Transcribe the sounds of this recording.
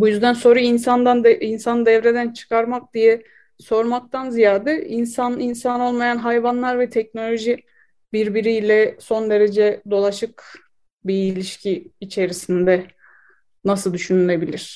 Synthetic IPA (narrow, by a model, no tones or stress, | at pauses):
bujyzd̪ænso̞ːɾainsand̪and̪ɛinsanɯd̪ɛvɾe̞d̪ænt͡ʃʰɯ̥kʰaɾmak̚d̪ijɛ | so̞ɾmak̚t̪ʰanzijaːd̪ɛinsaninsano̞lˠmajanɦajvanlˠaɾvɛt̪ʰɛc̚no̞lʲo̞ʒi | biɾbiɾijlʲɛso̞nd̪e̞ɾe̞d͡ʒɛd̪o̞lˠaʃɯk | biːlʲiʃcʰiːt͡ʃʰe̞ɾisind̪ɛ | nasɯlˠd̪yʃynylʲe̞bilʲiɾ̥